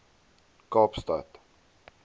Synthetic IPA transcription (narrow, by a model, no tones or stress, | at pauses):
kɑːpstɐ̰t